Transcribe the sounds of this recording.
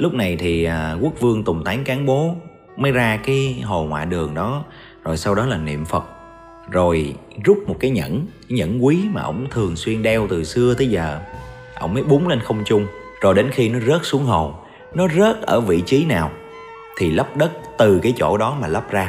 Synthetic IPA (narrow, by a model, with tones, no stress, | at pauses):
lʊ˦˥k͡p̚na˨˩jt̪ʰi˨˩aː˨˩ku˦˥ək̚vɨ˧əŋt̪ʊ˨˩ŋ͡mt̪aː˨˦ŋkaː˨˦nɓo˨˦ | məː˨˦jzaː˧kaː˨˦jɦo˨˩ŋwa̰ː˧˨ɗɨ˨˩əŋɗɔ˨˦ | zo˨˩jsa˧wɗɔ˨˦laː˨˩nḭ˧˨əmfə˨˩t̚ | zo˨˩j | zʊ˦˥k͡p̚mo˨˩t̚kaː˨˦jɲə̰˧˥nkaː˨˦jɲə̰˧˥nkwi˨˦maː˨˩ʔə̰˧˩wŋ͡mt̪ʰɨ˨˩əŋswi˧ənɗɛ˧wt̪ɨ˨˩sɨ˧ət̪ʰə˨˦jzəː˨˩ | ʔə̰˧˩wŋ͡mməː˨˦jɓu˨˦ŋ͡mle˧nxə˧wŋ͡mt͡ɕʊ˧ŋ͡m | zo˨˩jɗe˨˦nxi˧nɔ˨˦zə˦˥t̚su˨˦əŋɦo˨˩ | nɔ˨˦zə˦˥t̚ʔəː˧˩vḭ˧˨t͡ɕi˨˦naː˨˩w | t̪ʰi˨˩lə˦˥p̚ɗə˦˥t̚t̪ɨ˨˩kaː˨˦jt͡ɕo̰˧˩ɗɔ˨˦maː˨˩lə˦˥p̚zaː˧